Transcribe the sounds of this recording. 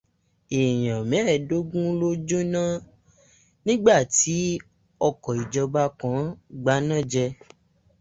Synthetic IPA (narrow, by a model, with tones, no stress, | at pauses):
e˨j̃ã˨mɛ̃˨˦˨do˦ɡũ˦lo˦d͡ʒo˦nã˦ | nĩ˦ɡ͡ba˦˨ti˨˦ | ɔ˧kɔ˨i˨d͡ʒɔ˧ba˦kã˨˦ɡ͡ba˨˦nã˦˨d͡ʒɛ˧